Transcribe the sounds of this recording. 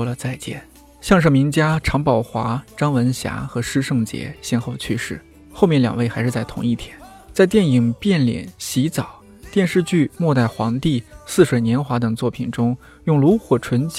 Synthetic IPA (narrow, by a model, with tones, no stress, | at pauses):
lə˧t͡sa˥˧ɪt͡ɕjɛ̰˥˩n | ɕjɑ˥˧ŋʂ̬ɤ˥˩mi˧˥ŋt͡ɕja˥ʈ͡ʂʰɑ˧˥ŋpɑ˨˩ʊxwa˧˥ʈ͡ʂɑ˥ŋwə˧˥nɕja̰˧˥xɤ˧˥ʂɻ̩˥ʂɤ˥˩ŋt͡ɕjɛ̰˧˥ɕjɛ˥˧nxo˥˧ʊt͡ɕʰy˥ʂɻ̩˥˩ | xo˥˧ʊmjɛ˥˩nljɑ̰˨˩ŋwe˥˩ɪxa˧˥ɪʂɻ̩˥˧t͡sa˥˩ɪt̪ʰʊ̰˧˥ŋi˥˩t̪ʰjɛ˥n | t͡sa˥˧ɪt̪jɛ˥˩ni˨˩ŋpjɛ˥˩nljɛ̰˨˩˦nɕi˧˥t͡sɑ˨˩˦ʊ | t̪jɛ˥˧nʂɻ̩˥˧t͡ɕy˥˧mwɔ˥˧t̪a˥˩ɪxwɑ˧˥ŋt̪i˥˧sɹ̩˥˩ʂwe˨˩ɪnjɛ˧˥nxwa˧˥t̪ɤ˨˩ŋt͡swɔ˥˩pʰi˨˩nʈ͡ʂʊ˥ŋ | jʊ˥˩ŋlu˧˥xwɔ˨˩ʈ͡ʂʰwə˧˥nt͡ɕ